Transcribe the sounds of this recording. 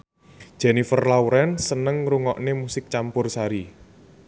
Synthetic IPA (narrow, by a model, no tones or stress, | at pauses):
d̥ʒ̥ɛ̤nifərlawɾɛnsənəŋɾuŋɔʔnemusɪk̚t͡ʃampʊrsaɾi